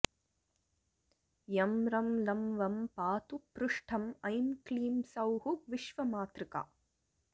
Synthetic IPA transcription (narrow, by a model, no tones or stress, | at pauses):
jɐmɾɐmlɐmʋɐmpaːt̪upɾʊʂʈʰɐmɐjmkliːmsɐwɦuʋɪʃʋɐmaːt̪ɾɪka̰ː